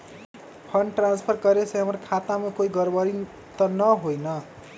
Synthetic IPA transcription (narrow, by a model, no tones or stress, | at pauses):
pʰʌnʈranspʰʌrkʌɾeseʌmʌrkʰat̪amakoiɡʌrbʌɾi | t̪ʌnʌɦojnʌ